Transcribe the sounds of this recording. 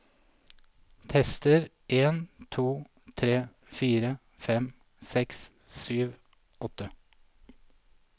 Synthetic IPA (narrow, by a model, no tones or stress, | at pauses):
t̪ʰɛst̪əɾ | ʔeːnt̪ʰuː | t̪ʰɾeː | fiːɾə | fɛm | sɛks | syːʋ | ɔt̪ə